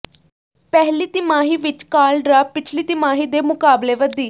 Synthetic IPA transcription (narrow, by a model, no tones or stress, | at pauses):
pɛɦliːt̪ɪmaːɦiːʋɪt͡ʃkaːlɖɾaːpɪt͡ʃʰliːt̪ɪmaːɦiːd̪eːmʊkaːbleːʋəd̪iː